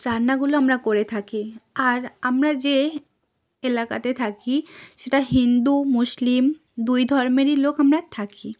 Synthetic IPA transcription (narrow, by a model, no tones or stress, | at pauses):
ɾaɾnːaɡuloamɾakoɾet̪ʰakiaɾamɾad͡ʑe | elaka̰t̪et̪ʰakiʃeʈaɦind̪umuʃlim | d̪ujd̪ʱɔɾmeɾilokamɾat̪ʰaki